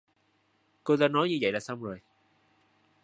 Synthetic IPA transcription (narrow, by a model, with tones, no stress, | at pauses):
ko˧t̪aː˧nɔ˨˦jɲɨ˧və̰˧˨jlaː˨˩sa˧wŋ͡mzo˨˩j